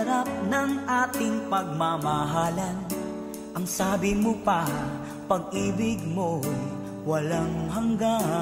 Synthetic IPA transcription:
ɾap̚nɐŋʔaːt̪ɪŋpɐɡ̚mamɐɦaːlɐn | ʔɐŋsaːbɪmopa | pɐɡ̚ʔiːbɪɡmo | wɐlaŋɦɐŋɡa

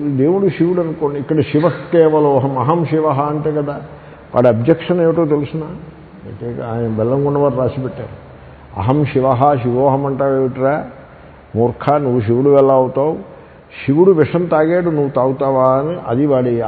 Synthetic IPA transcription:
d̪eːʋuɽuʃiʋuɽɐnkoɳːikːɐɽɐʃiʋɐkːeːʋɐloɐɦɐmɐɦɐmʃiʋɐɦɐɐɳʈeːkɐd̪aː | ʋa̰ːɽiɐbd͡ʒɐkʂɐneːʋiʈːoːt̪̬elusunaː | eːnbɛlːɐŋɡuɳɖɐʋaːɾɾaːsibɛʈːa̰ːɾu | ɐ̰ɦɐmʃiʋɐɦɐʃiʋoːɦɐmɐɳʈaːʋeːʋiʈɾaː | muːɾkʰaːnuʋuʃiʋɐɽuʋɛlːɐːʋut̪aːʋu | ʃiʋuɽuʋeʂɐnt̪aːɡeːʈunuʋut̪aːwut̪aːʋaːnɨʔɐd̪iʋaːɽia

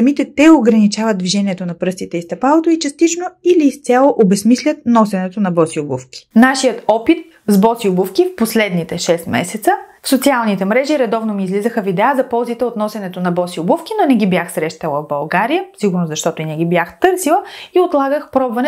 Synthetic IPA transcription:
ɐmit̪ɛt̪ɛoɡɾɐnit͡ʃavəd̪̚d̪viʒɛniɛt̪onɐpɾɤst̪it̪ɛist̪ɐpalˠot̪oit͡ʃɐst̪it͡ʃnoiliːst̪sʲalˠoʔobɛsmislʲɐt̪̚nɔsɛnɛt̪onɐbɔsiobufkʲi̥naʃijət̪ɔpit̪̚ | zbɔsiobufkifposlɛd̪nit̪ɛʃɛst̪mɛ̰sɛt̪səfsot̪sialˠnit̪ɛmɾɛʒiɾɛd̪ɔvnomiːzlizəxəvid̪ɛəzɐpɔlˠzit̪ɛot̪nɔsɛnɛt̪onɐbɔsiʊbufk̟inonɛɡʲibjaxsɾɛʃt̪ɐlˠəvbɐlˠɡaɾijəsiɡʊɾnoszɐʃt̪ɔt̪oinɛɡibjaxt̪ɤɾsilˠəiot̪lˠaɡəxpɾɔbvɐnɛ

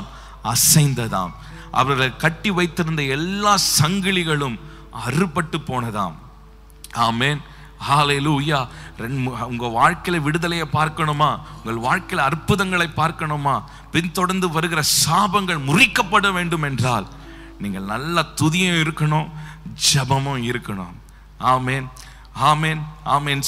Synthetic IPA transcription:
ɐsɐɪnd̪ɐða̰ːm | ʔɐ̰ʋɐɾɣɐkɐʈːiʋɐɪt̪ːɪɾɯnd̪ɐɛlːaːsɐŋɡɪɭɪɣɐɭɯm | ɐrɯpːɐʈːɯpːoːnɐða̰ːm | aːmeːn | haːleːluːjaːɾɛʊŋɡɐʋaːɻkɐɪlɐʋɪɽɯðɐlɐjɐːpaːɾkɐɳɯmaːʊŋɡɐɭʋaːɻkɐɪlɐrpːɯðɐŋɡɐɭɐɪpːaːɾkɐɳɯmaː | pɪnt̪ɔɽɐɾnd̪ɯʋɐɾɯɣɪrɐsaːbɐŋɡɐɭmʊrɪkːɐpːɐɽɐʋeːɳɖɯmɛndraːl | niːŋɡɐɭnɐlːɐt̪ʊðɪjɐ̃ɪɾɯkːɐɳoːd͡ʒɛbɐmɯ̃mɪɾɯkːɐɳo̰ːm | aːmeːn | aːmeːnaːmeːn

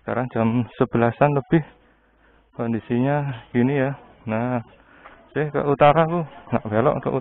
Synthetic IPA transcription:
sə̥ka̰ɾaŋd͡ʒ̥amsəb̥əlasanləb̥ɪh | kɔndisiɲaɡ̥inija | nah | sɪhkə̰ut̪aɾakuna̰ʔbelɔ̰ʔkə̰ʔu

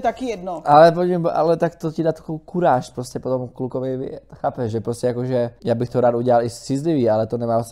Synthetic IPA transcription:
t̪akɪjɛdnoʔalɛp̬ocibʔa̰lɛt̪akt̪ocɪdaːt̪ḁkowkuɾaːʃpɾoscɛpot̪omklukovɪvɛ̰t̪xaːpɛʃʒɛpɾoscɛjakoʒɛjaːbɪxt̪oɾaːt̪uɟɛlalɪssɪzlɪviːʔalɛt̪onɛmaːas

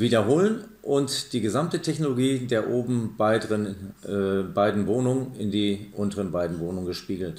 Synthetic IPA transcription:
viːdɐɦoːlən | ʔʊntd̥iːɡəzamtətʰɛçnoloɡiːdeːɐʔoːbm̩bɪdʁən | baɪdn̩voːnʊŋənɪndiːʔʊntəʁənbaɪdn̩voːnʊŋənɡəʃpiːɡl̩t

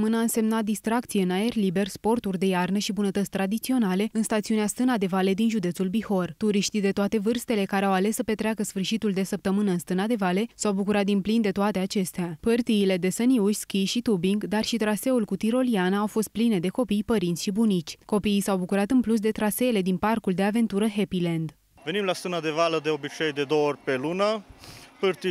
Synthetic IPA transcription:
mɨnəɨnse̞mnat̪̚d̪ist̪ɾakt̪sijeɨnae̞rlibe̞rspo̞rt̪urʲd̪e̞jarnəʃibunət̪ət̪sʲt̪ɾad̪it̪sio̞nale̞ɨnst̪at̪siuneast̪ɨnad̪e̞vale̞d̪inʒud̪e̞t̪sulbiho̞rt̪uɾiʃt̪id̪e̞t̪oat̪e̞vɨrst̪e̞le̞kaɾeawale̞sːəpe̞t̪ɾeakəsfɨrʃit̪uld̪e̞səp̚t̪əmɨnəɨnst̪ɨnad̪e̞vale̞sawbukuɾat̪̚d̪inplind̪e̞t̪oat̪e̞at͡ʃe̞st̪eapɨrt̪iːle̞d̪e̞səniuʃʲskʲiʃit̪ubiŋɡd̪arʃit̪ɾase̞ulkut̪iɾo̞lianaːwfo̞st̪̚pline̞d̪e̞ko̞pijpəɾint̪sʃibunit͡ʃʲko̞piːsawbukuɾat̪ɨnplus̬d̪e̞t̪ɾase̞le̞d̪inparkuld̪e̞ave̞nt̪uɾəɦe̞pilend̪ | ve̞nimlast̪ɨnad̪e̞valəd̪e̞o̞bit͡ʃejd̪ed̪oorʲpe̞lunəpɨrt̪i

